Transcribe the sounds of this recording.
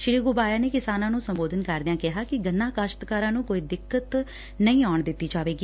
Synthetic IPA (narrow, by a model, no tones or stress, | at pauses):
ʃɪɾiːɡobaːjaːneːkɪsaːnãːnũːsəmboːd̪ʱənkəɾd̪ɪãːkɪɦaːkɪɡənːaːkaːʃt̪kaːɾãːnũːkoːiːd̪ɪkːət̪ | nəĩːɔːɳd̪ɪt̪ːiːd͡ʒaːʋeːɡiː